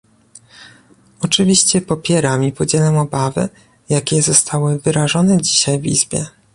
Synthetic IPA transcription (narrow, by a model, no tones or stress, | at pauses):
ɔt͡ʂɘvʲiɕt͡ɕɛpɔpʲjɛɾamipɔd͡ʑɛlɛmɔbavɘ̰ | jakʲɛzɔst̪ʰawɘvɘɾaʐɔnɛd͡ʑiɕajvḭzbʲjɛ̰